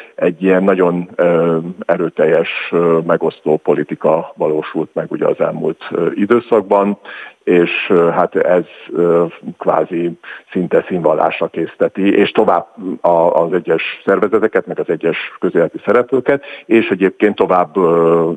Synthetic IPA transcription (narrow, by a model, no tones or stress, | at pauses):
ɛɟːijɛnːɒɟo̞n | ɛɾøːt̪ɛjːɛʃmɛɡo̞st̪oːpo̞lit̪ikɒvɒloːʃult̪mɛɡuɟɛ̰ɒ̰zɛlmṵlt̪id̪øːsɒɡ̚bɒneːʃɦat̪ɛz̥økva̰ːzisint̪ɛsiɱvɒla̰ːʃɒkeːst̪ɛt̪ieːʃt̪o̞vaːbɒːzɛɟːɛʃsɛrvɛzɛt̪ɛkɛt̪mɛɡɒzɛɟːɛʃkøzeːlɛt̪isɛɾɛpløːkɛt̪eːʃɛɟeːp̚keːnt̪ːo̞vaːbː